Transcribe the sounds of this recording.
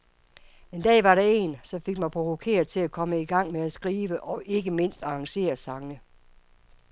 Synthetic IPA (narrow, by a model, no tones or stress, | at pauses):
e̝nd̥ɛ̰ːʋɑ̈ɾɑ̈e̝nsɒ̽fe̝ɡ̥mɑnpʰʁo̝ʋokʰe̝̰ːɐðˠt͡sʰe̝lækʰɒ̽məiɡ̥ɑ̈ŋ̰meæsɡ̥ʁiːʋəʔɒ̽ʔe̝ɡ̥əme̝n̰sd̥ɑ̈ɑ̈ŋse̝̰ːɐsɑ̈ŋə